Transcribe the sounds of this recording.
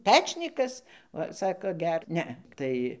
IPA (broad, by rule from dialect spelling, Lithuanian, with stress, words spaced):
ˈpʲæːt͡ʃʲnʲiːkɐs ˈʋɐ ˈsɑːkoː ˈɡʲɛr ˈnʲɛ ˈtɐɪ